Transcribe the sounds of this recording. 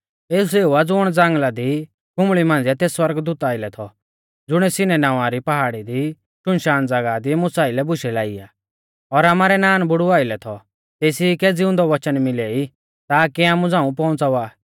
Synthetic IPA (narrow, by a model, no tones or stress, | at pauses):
eːseːuad͡zʊɽ̃d͡zãːŋɡlad̪i | kʊ̃mɭimãːnd͡ziat̪eːsːwɐɾɡd̪ʊt̪aːɪlɛt̪ʰɔ | d͡zʊɽ̃ɛsɪnɛnaʋãɾipɐɦaːɽid̪i | ʃʊnʃaːnd͡zɐɡad̪imʊsaːɪlɛbʊʃɛlaːiaː | ɔɾaːmaːɾɛnaːnbʊɽuaːɪlɛt̪ʰɔ | t̪eːsikɛd͡zɪʊ̃nd̪ɔʋɐt͡ʃənmɪlɛːi | t̪aːkiaːmũd͡zãːũpɔ̃ʊ̃nt͡saʋaː